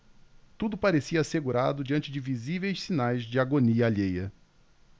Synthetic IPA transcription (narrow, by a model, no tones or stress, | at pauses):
t̪ud̪ʊpaɾesiɐaseɡuɾad̪ʊd͡ʒiɐ̃nt͡ʃɪd͡ʒɪvizivejssinajzd͡ʒɪaɡoniɐaʎejɐ